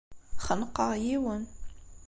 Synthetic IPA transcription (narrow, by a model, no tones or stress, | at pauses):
χənqːɑʁjiwən